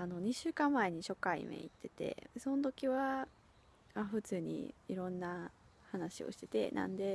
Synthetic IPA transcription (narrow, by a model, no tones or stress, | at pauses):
ano̞ɲ̟iɕɨːkãmːae̞ɲ̟iɕo̞kaḭmḛḭt̪ʰːe̞t̪e̞̰so̞not̪o̞kʲiβa | aɸɯ̟t͡sɨːɲ̟ḭiɾõ̞nːa | hanaɕio̰ɕi̥t̪e̞̥t̪e̞̰nã̰nd̪e̞